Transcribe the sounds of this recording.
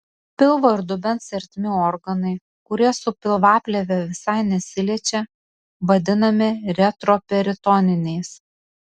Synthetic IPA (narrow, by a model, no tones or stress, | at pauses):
pʲɪlˠʋoɪɾd̪ʊbʲɛnt̪sʲɛɾʲt̪ʲmʲɪɔɾɡɐnɐɪ | kʊɾʲiɛsʊpʲɪlˠʋɑːpʲlʲɛʋʲɛʋʲɪsɑɪnʲɛsʲɪlʲiɛt͡ʃʲɛ | ʋɐd̪ʲɪnɐmʲɪɾʲɛt̪ɾɔpʲɛɾʲɪt̪ɔnʲɪnʲɛɪs